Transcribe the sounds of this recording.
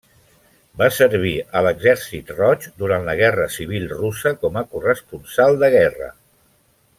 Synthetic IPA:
basəɾβ̞iələɡzɛɾsit̪rɔt͡ʃd̪uɾant̪ləɣ̞ɛrəsiβ̞ilˠrusəkɔməkurəspunsalˠd̪əɣ̞ɛrə̰

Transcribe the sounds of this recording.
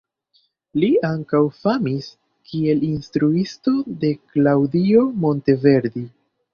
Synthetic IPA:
liaŋkawfamis | kʰie̞linstɾuisto̞de̞klawdio̞mo̞nte̞ve̞ɾd̪i

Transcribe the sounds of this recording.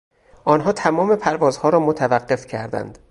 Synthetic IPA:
ʔɒːnɦɒːt̪ʰæmɒːme̞pʰæɾvɒːzhɒːɾɒːmot̪ʰævæɢːe̞fcʰæɾd̪æ̰nd̪̥

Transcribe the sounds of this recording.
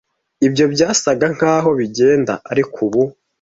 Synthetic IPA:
ibjo̞bjaːsaɡaŋ̥haːɦo̞βiɟe̞ːnda̰ʔaɾikʰuβu

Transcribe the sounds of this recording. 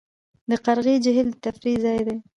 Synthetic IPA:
d̪əqaɾɣid͡ʒɪɦɪlt̪afɾizɑjd̪e

